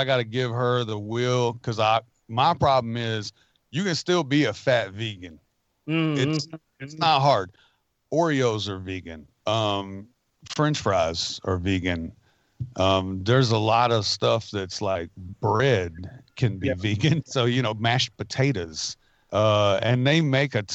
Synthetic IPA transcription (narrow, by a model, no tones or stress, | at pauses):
aɪɡɑɾɨɡɪv̥ə˞ðəwɪlˠkʰʌzaɪ | maɪpʰɹ̥ɑblə̃mɪz | jɨkɨ̃nstɪlˠbiɨfætviɡɨ̃n | ɪs | ɨtsnət̚ɦɑɹd | ɔɹioʊzə˞viɡɨ̃n | ʌ̃m | fɹɛ̃nt͡ʃfɹaɪzə˞viɡɨ̃n | ʔʌ̃mðə˞zəlɔɾʌv̥stʌfðɨtslaɪk̚b̥ɹɛd̚kʰɨ̃nbiviɡɨ̃nsoʊjɨñoʊmæʃpɨtʰeɪɾɨz̥ | ʔʌɨ̃nðeɪmeɪkɨ